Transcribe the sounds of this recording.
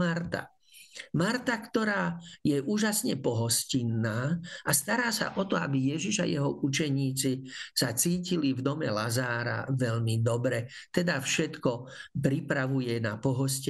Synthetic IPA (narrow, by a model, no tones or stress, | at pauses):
aɾt̪a̰ | maɾt̪akt̪ɔɾaːjɛʔuːʒasɲɛpɔɦɔscinːaːast̪aɾaːsa̰ʔɔt̪ɔabijɛʒiʃa̰jɛɦɔut͡ʃɛɲiːt͡sisat͡siːcilivd̪ɔmɛlazaːɾa̰ʋɛʎmid̪ɔbɾɛ | t̪ɛd̪afʃɛt̪kɔpɾipɾaʋujɛnapɔɦɔsc